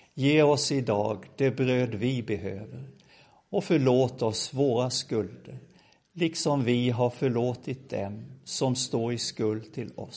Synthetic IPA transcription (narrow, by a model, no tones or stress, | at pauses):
jeːɔsɪd̪ɑːɡd̪̥ɛbɾøːd̪vɪbɛɦøːvəɾ | ɔfœɭoːt̪ɔsvoːɾaskɵld̪əɾ | lɪksɔmvɪɦaɾfœɭoːt̪ʰɪt̪̚d̪ɛ̰msɔmst̪oːɾɪskɵld̪̚t̪ʰɪlɔ̰s